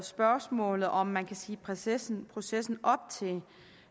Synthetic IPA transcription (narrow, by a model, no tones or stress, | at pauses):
sb̥ɶɐsmɔ̰̽ːlð̩ˠɒ̽mːænkʰæsiːpʰʁsnpʰʁo̝sesn̩ɒ̽b̥̚t͡sʰe̝